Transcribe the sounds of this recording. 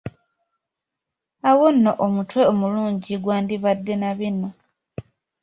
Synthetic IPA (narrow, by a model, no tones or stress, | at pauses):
awonːo̞ʔomutwe̞omuluːɲɟiɡwaːndiβadːe̞naβino̞